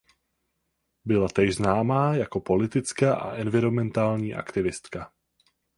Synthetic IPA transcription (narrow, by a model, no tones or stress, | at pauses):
bɪlat̪ɛçznaːmaːjako̞po̞lɪt̪ɪt͡skaʔa̰ʔɛnvɪɾo̞mɛnt̪aːlɲiːʔa̰kt̪ɪvɪst̪ka